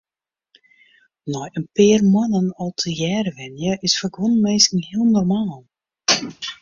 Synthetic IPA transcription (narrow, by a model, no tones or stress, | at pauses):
nɔjənpɪːrmwanənɔlˠtʰəjɛːrʋɛnjəʔɪsfaɡʋonmeːskŋ̩hiəlˠnɔrmaːlˠ